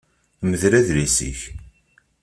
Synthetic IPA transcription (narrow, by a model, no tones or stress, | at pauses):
məðlæðɾisḭç